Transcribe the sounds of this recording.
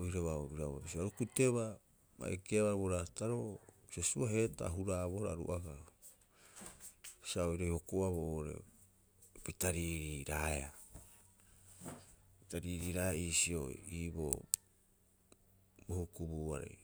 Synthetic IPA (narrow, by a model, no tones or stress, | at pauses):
oiɾeβaobiɾaβa̰bisiaɾukuteβa | ma̰ekeaβaɾβoɾataɾobsesuaɦe̞ta̰ɦuɾaβoɾaɾṵʔaɡa | bi̥siaojɾejho̞koaβoɾḛ | pitaɾiɾiɾaea | pitaɾiːɾiːɾaiːsio̰iːbo̰ | bohukubuːa̰ɾḛj